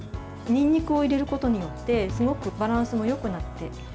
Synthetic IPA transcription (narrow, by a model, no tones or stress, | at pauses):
ɲ̟ĩɲ̟ːikɯ̟o̞iɾe̞ɾɯ̟ko̞t̪o̞ɲ̟ijo̞t̪ːe̞sɨɡo̞kɯ̟baɾãɰ̃sɨmo̞jo̞kɯ̟nat̪ːe̞